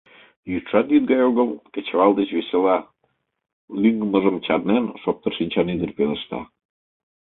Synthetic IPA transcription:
jyt̪ʃɑt̪jyd̪̚ɡɑjoɣəmkĕt͡ɕβɑld̪et͡ɕβeselɑ | lyŋɡəməʒəmt͡ɕɑrnenʃop̚t̪ərʃinʲt͡ɕɑnyd̪ərpelə̆ʃt̪ɑ̰

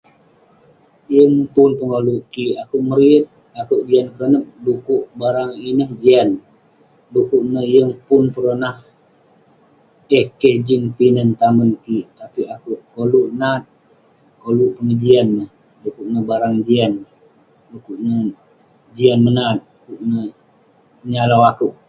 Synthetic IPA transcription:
jəŋpʊnpəŋoluʔkiʔakuʔməɾiət̪̚ | akuʔd͡ʒiankənəp̚dukuʔbaɾaŋinəhd͡ʒian | dukuʔnəjəŋpʊnpəɾonah | əhkəhd͡ʒinp̪inənt̪amənkiʔt̪apiakuʔkoluʔnat̪̚ | koluʔpəŋəd͡ʒianːəh | dukuʔ̚nəbaɾaŋd͡ʒian | dukuʔnə | d͡ʒianmənat̪̚ | kuʔnə | ɲalawakuʔ

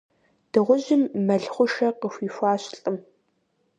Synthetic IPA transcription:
d̥ɨʁʷʊʑɪmːɐɮχʷʊʃɐqəxʷiːfʷɑːɕɬʼɨm

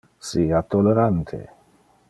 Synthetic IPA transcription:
siat̪ːoleɾant̪ʰḛ

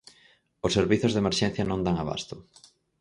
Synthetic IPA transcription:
osːeɾβiθʊzðemeɾʃɛn̟θjɐnõŋd̪aŋaβa̰st̪ʊ

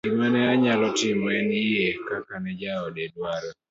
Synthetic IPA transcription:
imɛnɛaɲalɔtɪmɔɛnɪɛkakanɛd͡ʒaɔdedwaɾɛ

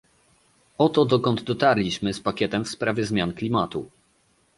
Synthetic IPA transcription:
ɔt̪ɔd̪ɔkɔnd̪d̪ɔt̪aɾlʲiɕmɘspakʲɛt̪ɛmfspɾavʲjɛzmʲjanklʲimat̪u

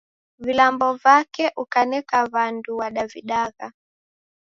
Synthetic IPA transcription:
vilambɔvakɛʔukanɛkaβanduwaɗaviɗaɣa

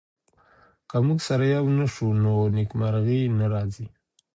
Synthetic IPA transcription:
kamuɡsaɾajawnəʂunonikmaɾɣinaɾɑzi

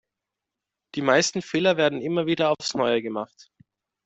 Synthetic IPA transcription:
d̥iːmaɪstn̩feːlɐveːɐdn̩ɪmɐviːdɐaʊfsnɔʏəɡəmaχt

